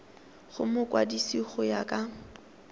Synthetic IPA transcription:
χʊmʊkʼwa̰disiχʊjakʼa

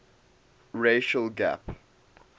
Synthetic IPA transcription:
ɹeʃəlɡæ̰p

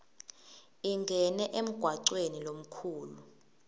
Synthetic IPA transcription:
iŋɡʱɛnɛʔem̩ɡ̥ʱwaǀwenilom̩kʰuːlu

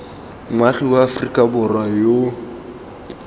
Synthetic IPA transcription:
ŋwaχiwaːfrikʼabʊrwajo

